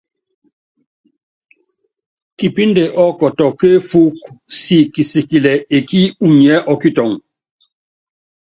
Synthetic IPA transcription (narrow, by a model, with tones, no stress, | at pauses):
ki˨pi˦n˦de˨ʔɔ˦kɔ˨tɔ˨ke˦fu˦ksi˦˨ki˨si˨ki˨lɛ˨e˨ki˦u˦ɲ˨ɛ˨˦ʔɔ˨ki˦tɔ˨ŋ